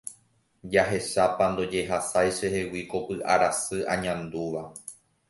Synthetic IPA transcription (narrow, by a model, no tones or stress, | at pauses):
d͡ʒaɦe̞ʃapand̪o̞d͡ʒe̞ɦasajʃehe̞wiko̞pɨʔa̰ɾasɨʔã̰ɲãnd̪uʋa